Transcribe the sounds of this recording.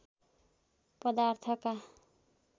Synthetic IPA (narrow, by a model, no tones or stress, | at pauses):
pʌd̪art̪ʰʌka